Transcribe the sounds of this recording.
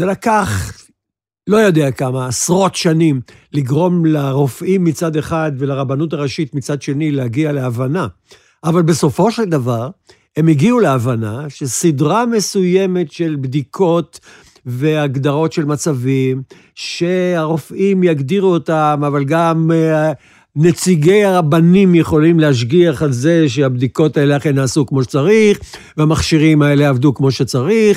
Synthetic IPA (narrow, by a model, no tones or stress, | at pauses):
zelakaχ | lo̞jo̞d̪eakamaːsʁo̞t̪ʃanim | liɡʁo̞mlaʁofʔimːit͡sad̪e̞χad̪velaʁabanut̬aʁeʃit̪mit͡sad̪ʃe̞nilehaɡialeavana | ʔːvalbeso̞fo̞ʃeld̪avaʁ | e̞miɡiuleavanaʃesidʁame̞suje̞me̞tʃe̞lbd̪ikʰo̞t | veaɡd̪aʁo̞tʃe̞lmat͡savim | ʃe̞aʁo̞fʔimjaɡd̪iʁuotamavalɡam | ne̞t͡siɡejaʁabanimjeχo̞limlehaʃ̬ɡiaχalzeʃ̬eabd̪iko̞taeleaχenaːsukmo̞ʃe̥t͡saʁiχ | veamaχʃiʁimae̞leavd̪ukmo̞ʃe̞t͡saʁiχ